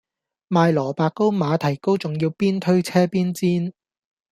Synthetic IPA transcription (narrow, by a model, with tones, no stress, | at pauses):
maː˨˧jlɔː˨˩paː˨˧kːo˥wmaː˨˧t̪ʰɐ˨˩jko˥wt͡sʊ˨˩ŋjiː˧wpiː˥nt̪ʰɵ˥ɥt͡sʰɛː˥piː˥nt͡siː˥n